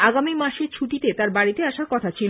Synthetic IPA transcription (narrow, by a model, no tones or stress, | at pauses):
aɡamimaʃeɾt͡ɕʰuʈit̪et̪aɾbaɽit̪eaʃaɾkɔt̪ʰat͡ɕʰil